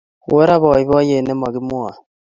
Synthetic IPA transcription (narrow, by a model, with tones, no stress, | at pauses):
we˦ɾa˦βɔ˨i˨βɔ˦je˨nɛ˦ma˨ɣi˦mwa˨